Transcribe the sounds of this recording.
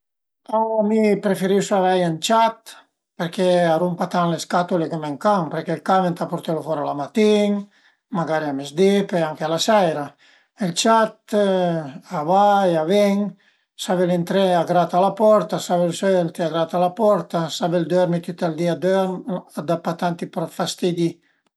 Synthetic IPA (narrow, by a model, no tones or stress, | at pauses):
awamipɾefeɾisavajant͡ʃat̪ | peɾkeaɾumpat̪anleskat̪ulekemeŋkaŋpeɾkelkament̪apoɾt̪elofɔɾalamat̪iŋ | maɡaɾiamezd̪ipeaŋkealasɛjɾa | elt͡ʃat̪ | avaavɛŋ | savelent̪ɾɛaɡɾat̪alapɔɾt̪asaβelsølt̪eaɡɾat̪alapɔɾt̪asabeld̪øɾmit̪yt̪ald̪iad̪øɾad̪apat̪ant̪ipɾɔt̪fast̪id̪i